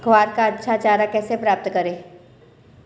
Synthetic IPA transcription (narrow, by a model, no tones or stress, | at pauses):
ɡʱwaːɾkaɐtːʃʰat͡ʃaːɾakɛːsepɾaːp̚t̪kɐɾẽː